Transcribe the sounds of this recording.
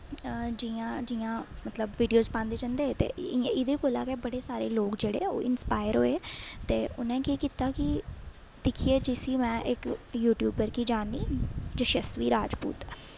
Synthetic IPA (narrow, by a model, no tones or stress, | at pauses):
d͡ʒiãːd͡ʒiːãːmət̪ləbʋiːɖijoːzpãːnd̪eːd͡ʒə̃nd̪eːt̪ḛːɪd̪eːkoːla̰ːkeːbəɽeːsaːɾḛːloːkd͡ʒeːɽḛːo̰ːɪnspaːɪəɾɦo̰ːeːt̪eːʔʊnẽːkiːkiːt̪aːkɪ | d̪̥ɪkʰieːd͡ʒɪsiːmɛ̃ːʔɪkjuːʈjuːbəɾkiːd͡ʒaːniːd͡ʒəʃəsʋiːɾaːd͡ʒpṵːt̪ɛː